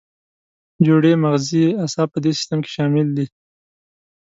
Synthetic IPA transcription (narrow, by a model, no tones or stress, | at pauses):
d͡ʒoɽemaɣziasɑpəd̪esɪ̥st̪amke̥ʃɑmɪld̪i